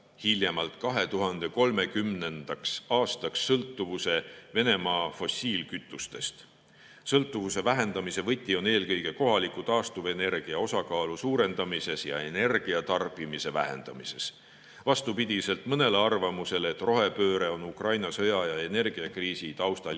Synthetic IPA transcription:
hiljemɑlt̪kɑɦe̞t̪uɦɑnd̪̥e̞ko̞lme̞kymne̞nd̪̥ɑksɑːst̪ɑksːɤlt̪ːˑuvuse̞ve̞ne̞mɑːfo̞sʲːiːlkyt̪ːˑust̪e̞st̪ | sɤlt̪ːˑuvuse̞væɦe̞nd̪ɑmise̞vɤt̪ʲːˑio̞ne̞ːlkɤjɡ̥e̞ko̞ɦɑlikˑut̪ɑːst̪uve̞ne̞rɡ̥iɑo̞sɑkɑːlusuːɾe̞nd̪̥ɑmise̞sjɑ̰e̞ne̞rɡ̥iɑt̪ɑrbimise̞væ̰he̞̰nd̪̥ɑ̰mise̞s | vɑst̪upid̪̥ʲise̞lt̪ˑmɤne̞leɑrvɑmuse̞leːt̪ːˑro̞ɦe̞pøːɾe̞o̞nukrɑjnɑsɤjɑjɑe̞ne̞rɡ̥iɑkriːsit̪ɑwst̪ɑ

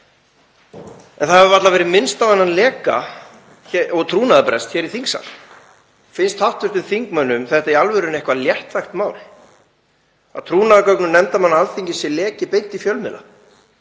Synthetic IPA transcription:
ɛnθaɛvvat̪lavɛːɾɪmɪnst̪avanːanlɛːka̰ | çɛɔɣt̪ʰɾuːnaðapɾɛst̪çɛːɾiθiŋksa̰l | fɪnst̪haht̪vʏɾ̥t̪ʏθiŋkmœnːʏmθɛht̪aialvɛɾʏnɛhkvaljɛht̪vajxt̪maːwlɪ̥ | aðt̪ʰɾuːnaðakœknʏnɛmt̪amanːaalθiɲcɪsɛlɛːcɪpejnt̪ifjœlmɪ̰la̰

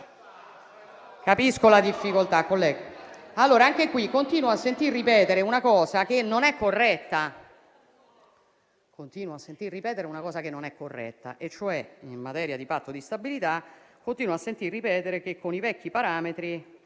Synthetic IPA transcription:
kapiskolad̪ifːikolt̪akːolːɛːɡ | alːoːɾaaŋk̟ekwikːont̪iːnwoasːent̪irːipɛːt̪eɾeunakɔːzak̟enːonɛkːorːɛt̪ːa | kont̪iːnwoasːent̪irːipɛːt̪eɾeunakɔːsakenːonɛkːorːɛ̰t̪ːa̰ʔet͡ʃːoɛinmat̪ɛːɾjad̪ipat̪ːod̪ist̪abilit̪akːont̪iːnwoasːent̪irːipɛːt̪eɾek̟ekʰːonivɛkːipaɾaːmet̪ɾi

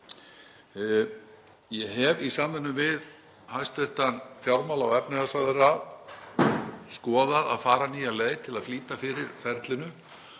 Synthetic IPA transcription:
jɛɦɛvisamvɛnːʏmvɪð | hajst̪vɛr̥t̪anfjawɾmalaawɛpnɪðasaðɛɾa | skɔːðaða̰ðfaːɾaniːjaleːjt̪ʰɪlaðfliːt̪afɪːɾɪɾfɛɾt̪lɪnʏ

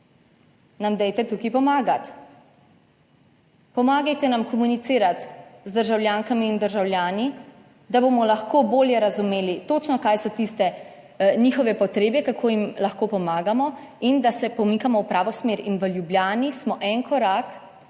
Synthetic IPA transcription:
namd̪ɛjt̪ɛt̪uːkipɔmaːɡat̪ | pɔmaːɡɛjt̪ɛnamkɔmunit̪siːɾat̪zd̪əɾʒawlʲjaːŋkamiːnd̪əɾʒawljaːni | d̪aboːmɔlaxkoːboːljɛɾazumeːlit̪ot͡ʃnɔkaːjsɔt̪ist̪ɛ | niːxɔʋɛpɔt̪ɾeːbɛkakʰoːjimlaxkoːpɔmaːɡamɔ | ind̪asɛpɔmiːkamɔwpɾaːʋɔsmeːɾinʋəljubljaːnismɔʔɛŋkɔɾak

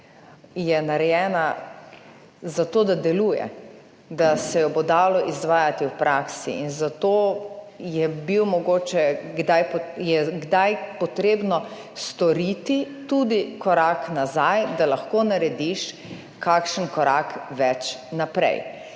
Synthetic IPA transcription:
jɛnaɾɛjɛːna | zat̪oːd̪ad̪ɛluːjɛ̰ | d̪asɛjɔbod̪aːlɔʔizʋaːjat̪iwpɾaksḭinzat̪o | jɛbiwmɔɡoːt͡ʃɛɡd̪ajpjɛɡd̪ajpɔt̪ɾeːbnɔ | st̪ɔɾit̪it̪ud̪ikɔɾaknazajd̪alɐxkoːnaɾɛd̪iʃ | kakʃənkɔɾakʋɛt͡ʃnapɾɛ̰j

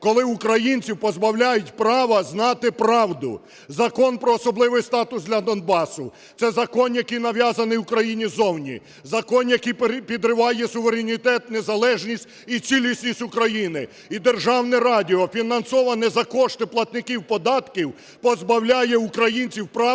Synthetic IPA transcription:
kɔlˠɪʊkɾɐjinʲt͡sʲiwpɔzbɐwlʲajʊtʲpɾɑʋɐznɑt̪ɪpɾɑwd̪ʊ̰ | zɐkɔnpɾɔːsɔblˠɪʋɪjst̪ɑt̪ʊsd̪lʲɐd̪ɔnbɑsʊ̰ | t̪sɛzɐkɔnjɐkɪjnɐʋʲjɑzɐnɪukɾɐjinʲizɔwnʲḭ | zɐkɔnjɐkijpʲid̪ɾɪʋɑjɛsʊʋeɾʲenʲit̪ɛt̪nezɐlˠɛʒnʲisʲtʲit͡sʲilʲisʲnʲisʲtʲʊkɾɐjinɪ | id̪erʒɑwnɪɾɑdʲiɔfʲinɐnsɔʋɐnɛzɐkɔʃt̪ɪplˠɐt̪nɪkiwpɔd̪ɑt̪kʲiw | pɔzbɐwlʲajɛʊkɾɐjinʲt͡sʲiwpɾɑ

